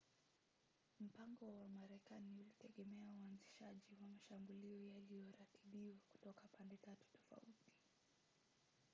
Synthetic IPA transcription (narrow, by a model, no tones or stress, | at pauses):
m̩paŋɡɔwamaɾɛkaniulitɛɠɛmɛauanziʃaʄiwamaʃambuliɔjalijɔɾatiɓiwaku̥tɔkapandɛtatu̥tɔ̥fa̰uti̥